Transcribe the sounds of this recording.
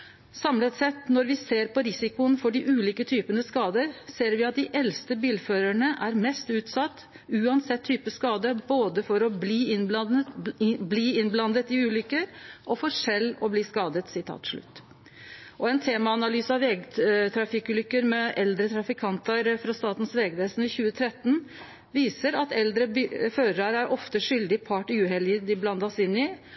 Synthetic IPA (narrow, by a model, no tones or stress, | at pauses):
sɑmlət̪sɛt̪ːnɔɾʋɪseːɾpɔɾɪsɪkʊənfɔɖɪʔʉːliːkət̪ʰyːpənəskɑːd̪əɾseːɾʋɪɑt̪̚d̪ɪʔɛlst̪əbiːlføːɾæɳəʔæɾmɛst̪ʉːt̪sɑt̪ː | ʉːɑnsɛt̪ʰːyːpəskɑːd̪əboːd̪əfɔɾɔbliː | bliːɪnblɑnd̪ət̪ɪʉːlʏkːəɾʔɔfɔɾʂɛlːɔbliːskɑːd̪ət̪sɪt̪ʰɑ̰ːt̪ʂɭʉ̰t̪ː | ʔɔɛnt̪ʰeːmɑɑnɑlyːsɑʋʋɛɡt̪ʰɾɑfɪkːʉːlʏkːəɾmɛʔɛld̪ɾət̪ʰɾɑfɪkʰɑnt̪əɾfɾɑst̪ɑːt̪n̩sʋɛːɡʋeːsn̩ɪçʉːət̪ʰɾɛt̪ːn̩ | ʋiːsəɾɑt̪ɛld̪ɾəføːɾəɾæɾʔɔft̪əʂʏld̪ɪpʰɑːʈɪʉːɦɛljəd̪ɪblɑnd̪ɑsɪnːɪ